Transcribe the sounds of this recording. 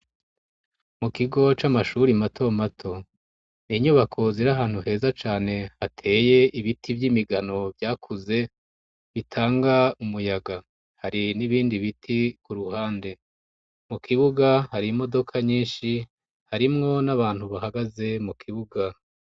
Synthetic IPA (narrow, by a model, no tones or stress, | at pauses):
mukiɡo̞t͡ʃamaʃuːɾimatʰo̞matʰo̞ | niɲuβakʰo̞ziɾaɦaːnhuɦe̞ːzat͡ʃaːne̞hatʰe̞ːje̞iβitʰibjimiɡano̞vjaːkʰuze̞ | βitʰaːŋɡaumujaɡa | haɾiniβiːndiβitʰikuɾuhaːnde̞ | mukʰiβuɡahaɾimo̞do̞kʰaɲiːnʃi | haɾimŋo̞naβaːn̥huβahaɡaze̞mukʰiβuɡa